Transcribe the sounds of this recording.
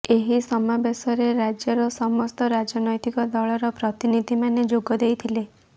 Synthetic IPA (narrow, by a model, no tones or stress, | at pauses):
eɦisɔmabesɔɾeɾad͡ʒjɔɾɔsɔmɔst̪ɔɾad͡ʒɔnɔjt̪ikɔd̪ɔɭɔɾɔpɾɔt̪inid̪ʱimaned͡ʒoɡɔd̪ejt̪ʰile